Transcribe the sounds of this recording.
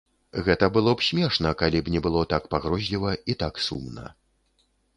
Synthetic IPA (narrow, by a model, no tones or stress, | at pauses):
ɣɛt̪ɐbɨlˠɔpsʲmʲɛʂnɐkalʲipnʲɛbɨlˠɔt̪akpaɣɾɔzʲlʲivɐit̪aksṵmnɐ̰